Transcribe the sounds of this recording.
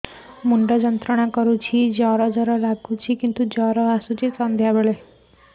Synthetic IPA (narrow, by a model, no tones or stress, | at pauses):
muɳɖɔd͡ʒɔnt̪ɾɔɽ̃akɔɾut͡ʃʰid͡ʒɔɾɔd͡ʒɔɾɔɾaɡut͡ʃʰikint̪ud͡ʒɔɾɔasut͡ʃʰisɔnd̪ʱjabeɭe